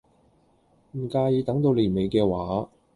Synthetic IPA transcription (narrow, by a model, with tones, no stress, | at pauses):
m̩˨˩kaː˧ji˨˧t̪ɐ˨˥ŋt̪o˧wliː˨˩nme˨˧jkɛː˧waː˨˥